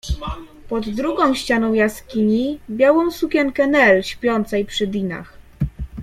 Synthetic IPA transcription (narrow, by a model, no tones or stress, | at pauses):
pɔd̪ːɾuɡɔ̃w̃ɕt͡ɕanɔ̃w̃jaskʲiɲibʲjawɔ̃w̃sukʲɛŋkɛnɛlɕpʲjɔnt̪sɛjpʂɘd̪ʲina̰x